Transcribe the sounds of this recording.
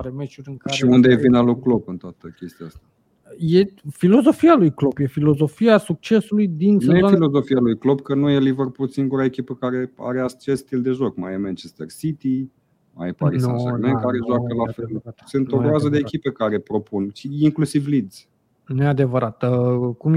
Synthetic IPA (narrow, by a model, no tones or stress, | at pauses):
ɾemet͡ʃuɾʲɨŋkaʃiund̪evinaloklopɨnt̪oat̪əkʲe̞st̪ijaast̪a | jefilo̞zo̞fialujklo̞bje̞filo̞zo̞fiasuk̚t͡ʃe̞sulujd̪insneujeffilo̞zo̞fialujklobkənuje̞livərpulsiŋɡuɾae̞kʲipəkaɾe̞a̰ɾeat͡ʃesst̪ild̪e̞ʒo̞kmajemant͡ʃest̪ersit̪i | ma̰jpaɾisaemekaɾeʒowakəlafelsɨnt̪obazəd̪eːkʲipekaɾe̞pɾo̞punt͡ʃiiŋklusivlid̪z̥ | nead̪e̞vəɾat̪əkum